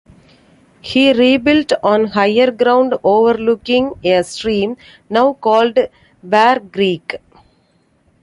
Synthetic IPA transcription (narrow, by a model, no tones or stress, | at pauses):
hiːɾiːbɪlʈɔ̃ːnɦaɪəɾɡɾãʊ̃ɳɖoːʋəɾlʊkɪ̃ŋesʈɾĩːm | naʊkɔːlɖ | bæːɾɡɾiːk